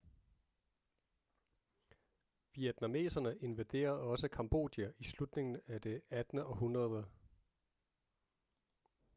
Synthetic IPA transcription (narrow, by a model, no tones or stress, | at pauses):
ʋied̥nɑme̝̰ːsɐnəʔe̝nʋæd̥e̝̰ːɐð̩ˠɒ̽səkʰɑ̈mb̥o̝̰ːd̥jæʔislud̥ne̝ŋn̩æd̥e̝æd̥nəɒ̽ɦunʁɐðˠə